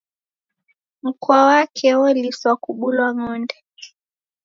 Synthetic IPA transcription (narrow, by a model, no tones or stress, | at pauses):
m̩kwawakʰɛwɔliswakuɓulwaŋɔndɛ